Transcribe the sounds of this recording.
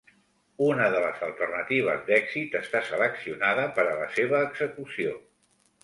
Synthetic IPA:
unəðələ̰zəlˠt̪ərnət̪iβ̞ə̰zd̪ɛɡzit̪əst̪asələksiunaðəpəɾələ̰seβ̞əːɡzəkusio

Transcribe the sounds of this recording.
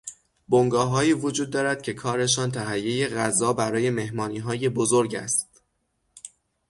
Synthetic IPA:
boŋɡɒːɦɒːjiːvo̞d͡ʒuːd̪ːɒːɾæd̪̥̚cʰe̞kʰɒːɾe̞ʃ̬ɒːnt̪ʰæɦæjːe̞je̞ɣæzːɒːbæɾɒːje̞me̞hmɒːniːɦɒːje̞bo̞zo̞ɾɟæ̰st̪

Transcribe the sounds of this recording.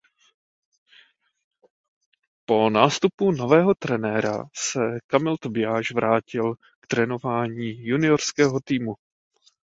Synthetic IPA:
po̞naːst̪upuno̞vɛːɦo̞t̪ɾɛnɛːɾa̰sɛkamɪlt̪obɪjaːʒvɾʔaːcɪl | kt̪ɾɛno̞vaːɲiːjunɪo̞ɾskɛːɦot̪iːmu

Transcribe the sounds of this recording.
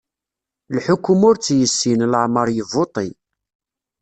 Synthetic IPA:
lħʊkːʊmʊɾt͡sːjəsːinləʕməɾˤjəvot̪ˤi

